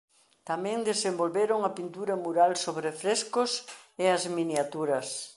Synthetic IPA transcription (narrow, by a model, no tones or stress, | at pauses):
t̪amɛ̃ŋd̪esembolβeɾʊŋɐpint̪uɾɐmuɾalsoβɾefɾeskʊseɐzminjat̪uɾɐs